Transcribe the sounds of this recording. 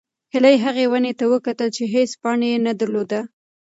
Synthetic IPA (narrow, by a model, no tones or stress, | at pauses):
hɪlajɦaɣewanet̪awəkat̪əlt͡ʃeɦespɑɳejenad̪aɾlod̪a